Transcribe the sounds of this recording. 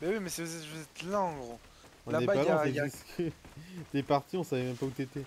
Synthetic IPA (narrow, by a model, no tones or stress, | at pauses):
bɛwimɛsivuzɛt̪vuzɛt̪laɑ̃ɡʁo | ɔ̃napalɔ̃sɛisk | t̪ɛpaʁt̪iɔ̃savɛmɛmpaut̪yet̪ɛ